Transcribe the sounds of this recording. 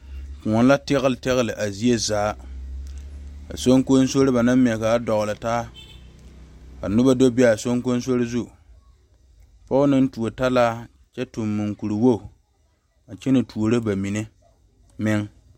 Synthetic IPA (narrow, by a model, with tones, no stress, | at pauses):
ku˨ŋɔ˨n˦la˦tɪ˦ɣɪ˦˨ltɪ˦ɣɪ˦lɪ˨ʔa˨zi˦e˦zaː˦ | ka̰˨so˦ŋko˦n˦so˦ɾɪ˦ba˨na˦mmːɪ˨ɛ˨ka˨˦dɔ˨ɣʊ˨lɨ˨taː˦ | ka̰˨nʊ˦ba˦do˦be˦a˨so˦ŋko˦n˦so˦ɾɪ˦zu˦˨ | pɔ˦ʊ˦nɨ˦n˦tu˨o˨ta˦laː˦ | t͡ʃɛ˦tʊ˨mːu˨ŋku˨ɾi˨wo˦˨ | a˨t͡ʃe˦nɨ˨tʰu˨o˨ɾo˦ba˨mi˨nɨ˦ | mɪ˦ŋ